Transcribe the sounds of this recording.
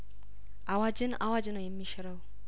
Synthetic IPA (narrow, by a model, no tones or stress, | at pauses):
ʔawad͡ʒɨnawad͡ʒɨnojɛmːiʃɪɾəw